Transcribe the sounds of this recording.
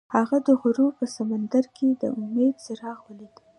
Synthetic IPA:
haɣad̪əɣʊɾupəsamand̪aɾkʰed̪ə̰ʔʊmed̪səɾɑɣwəlid̪

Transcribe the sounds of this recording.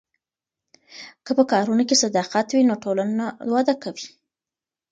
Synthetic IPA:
kəpəkɑɾunokesad̪ɑqat̪winoʈolanawɑd̪akawi

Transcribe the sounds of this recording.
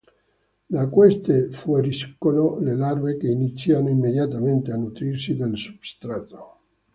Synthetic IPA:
lakwest̪efueɾiskːololelaɾvekeinit̪sːjanoimːeðjat̪ament̪eanut̪ɾiɾsid̪elsu̥b̥st̪ɾat̪o̥

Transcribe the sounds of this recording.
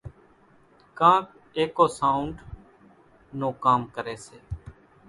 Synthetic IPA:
kãːk | eːkoːsaːʊ̃ɳɖ | noːkaːmkəɾeːseː

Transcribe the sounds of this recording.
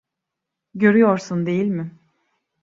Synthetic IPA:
ɟø̞ɾyjoɾsund̪e̞jilʲmɪ

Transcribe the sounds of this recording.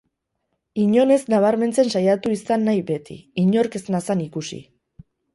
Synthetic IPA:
iɲo̞ne̞znaβ̞aɾme̞nt͡se̞nsajat̪uisanːajβe̞t̪ḭiɲo̞ɾke̞znasanikusḭ

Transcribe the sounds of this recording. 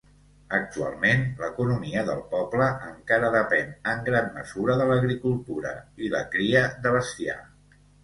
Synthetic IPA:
ək̚t̪ua̰lˠmenləkunumiəðəlˠpɔbləəŋkaɾəðəpɛnəŋɡɾanmə̰z̥uɾəðələɣɾikulˠt̪uɾə̰iləkɾiəðəβəst̪ia̰

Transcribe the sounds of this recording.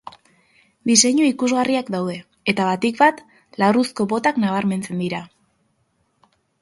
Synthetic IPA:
d̪ise̞ɲuikuzɣariakd̪awðe̞ | et̪aβat̪ikbat̪ | larusko̞βo̞t̪aknaβaɾme̞nt͡se̞nd̪iɾa

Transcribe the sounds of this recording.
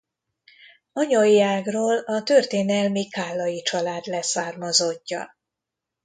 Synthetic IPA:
ɒɲojːaːɡroːlɒt̪ørt̪eːnɛlmikaːlːɒjit͡ʃɒlaːd̪lɛsaːrmɒzocːɒ̰

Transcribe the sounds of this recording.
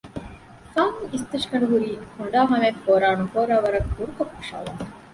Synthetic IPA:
faːmuist̪ɐʃkɐɳuɦuɾiːhuɳɖaːɦɐmefoːɾaːnukoːɾaːʋɐɾɐkːuɾukɐkːɐʂa̰ːla̰ː

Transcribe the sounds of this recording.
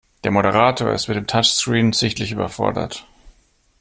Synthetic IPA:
d̥eːɐmoɾəʁ̞aːtʰoːɐɪ̰stmɪtd̥eːmtʰat͡ʃskʁ̥iːnz̥ɪçtlɪçyːbɐ̰fɔ̰ɐdɐ̰t

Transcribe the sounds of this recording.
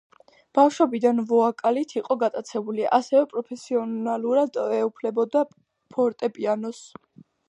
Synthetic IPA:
b̥afʃɔbid̪anvɔakʼalit̪ʰiqʼɔɡat̪ʼat̪sʰɛbuliʔasɛvɛpʼɾɔpʰɛsiɔnaluɾad̪ɛupʰlɛbɔd̪a | pʰɔɾt̪ʼɛpʼianɔs

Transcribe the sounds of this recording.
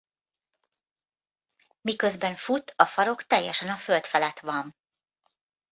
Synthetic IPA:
mikø̞zbɛɱfut̪ɒfɒɾo̞kt̪ɛjːɛʃɛnɒfø̞lt̪fɛlɛt̪ʋɒn

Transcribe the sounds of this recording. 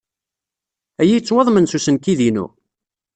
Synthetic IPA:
æjit͡sːwɑðˤmənsusənkiðinṵ

